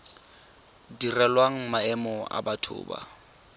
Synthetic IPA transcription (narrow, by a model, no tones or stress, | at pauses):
dirɛlwaŋ̩maɛmɔʔa̰batʰʊ̰ːba̰